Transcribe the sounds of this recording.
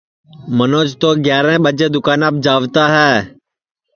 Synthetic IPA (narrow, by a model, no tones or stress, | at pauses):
mənoːd͡ʒt̪oːɡjaːɾɛ̃ːɓəd͡ʒeːd̪ʊkaːnaːp̚d͡ʒaːʋt̪aːɦɛː